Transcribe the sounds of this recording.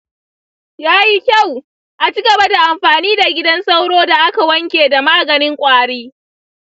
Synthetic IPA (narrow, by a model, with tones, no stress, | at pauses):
jaː˦ji˦kʲa˦˨w | ʔa˨t͡ʃi˦ɡɐ˨ba˦da˨ʔa˨mɸaː˨niː˦da˨ɡʲɪ˦dɐ˦nsa˦wɽoː˦da˨ʔa˦ka˨wɐ˦ŋkʲeː˨da˨maː˦ɡɐ˨nɪ˦ŋkʷʼaː˦ɽeː˦